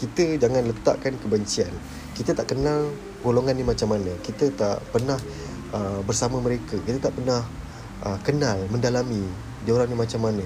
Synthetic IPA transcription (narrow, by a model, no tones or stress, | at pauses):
kit̪əd͡ʒaŋanlət̪a̰ʔkankəbəɲt͡ʃian | kit̪ət̪aʔkənal | ɡoloŋanːimat͡ʃamːanə̃kit̪ət̪a̰ʔpərnah | əbərsaməməɾekəkit̪ət̪aʔpərnah | ʔəkənalmə̃ndalami | dioɾaŋnimat͡ʃamːanə